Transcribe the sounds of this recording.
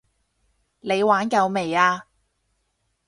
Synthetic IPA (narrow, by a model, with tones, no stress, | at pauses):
le˨˧jwaː˨˥nkɐ˨˧wme˨˩jaː˧